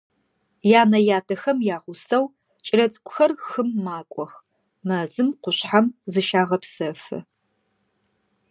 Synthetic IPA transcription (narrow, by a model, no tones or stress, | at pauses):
jaːnɐjaːtʰɐxɐmjaːʁʷʊsɐw | t͡ʃʼɪlɐt͡sʼkʷʼʊ̥xɐrxɨmːaːkʷʼɔx | mɐzɨmqʷʊɕħamzɨʃaːʁɐpsɐfɨ̰